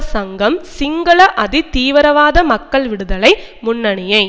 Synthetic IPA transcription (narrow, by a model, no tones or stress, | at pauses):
sɐŋɡɐmsɪŋɡɐɭɐʔɐðit̪iːʋɐɾɐʋaːðɐmɐkːɐɭʋɪɽɯðɐɭɐɪmʊnːɐɳɪjɐɪ